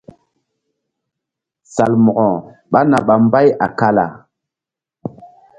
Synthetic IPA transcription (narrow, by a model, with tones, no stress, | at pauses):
sa˨lmɔ˨ɣɔ̃˨ɓa˦na˨ɓa˨m˦ba˦ja̰˨ka˦la̰˨